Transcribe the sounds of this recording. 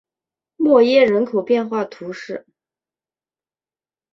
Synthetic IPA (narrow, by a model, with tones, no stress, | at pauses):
mwɔ˥˧jɛ˥˩ɻə˧˥nkʰo˨˩ʊpjɛ˥˧nxwa˥˩t̪ʰu˧˥ʂɻ̩˥˩